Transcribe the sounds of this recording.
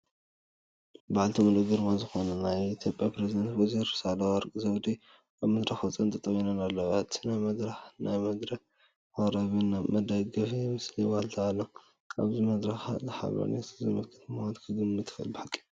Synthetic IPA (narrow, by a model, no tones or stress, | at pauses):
baʕalt̪ʰimɨluɡɨɾmazɨxo̞nɐnajit̪ʰjopʼjapɾezid̪ɐnt̪woziɾsalɐwɐɾkʼizɐwd̪i | ʔaβmɨd̪ɾɐxot͡sʼɐnt̪ʰɐt̪ʼɐwinɐnalːɐβat̪najmɐd̪ɾaxnajmɐd̪ɾɐ | aɾɐβɨnamɐd̪ɐɡɐfimɨsliwalt̪ʰaalːo | aβzimɐd̪ɾɐxazɨħa̰βɐ̰nḛt̪zɨmɨlkʰɨ̥t̪ʰmawat̪kʰɨɡɨmːɨt̪ʰːɨ̥xɨ̰lbiħakʼːi̥